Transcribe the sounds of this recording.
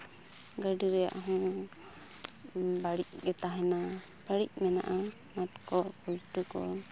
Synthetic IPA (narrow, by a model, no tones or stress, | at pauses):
ɡəɖiɾɛja̰ʔɦɔ̃ | baɽic̚ɡɛt̪aɦɛna | paɽic̚mɛnaʔa | matkɔkulʈukɔ̰